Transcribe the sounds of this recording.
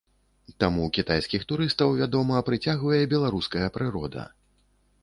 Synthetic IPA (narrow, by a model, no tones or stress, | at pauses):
t̪amukʲit̪ajskʲixt̪uɾɨst̪ɐwvʲad̪ɔmɐpɾɨt͡sʲaɣvɐjɛbʲɛlˠaɾuskɐjɐpɾɨɾɔd̪ɐ̰